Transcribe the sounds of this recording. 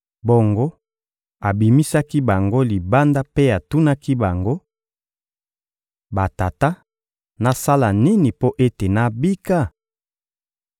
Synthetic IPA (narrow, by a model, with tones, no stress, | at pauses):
bo˨ŋɡo˦ | a˨bi˨mi˦sa˦ki˦ba˨ŋɡo˦li˨ba˦nda˦pe˦a˨tu˦na˦ki˦ba˨ŋɡo˦ | ba˨ta˨ta˦ | na˨sa˦la˨ni˦ni˨po˦ʔe˦te˨na˦bi˦ka˦˨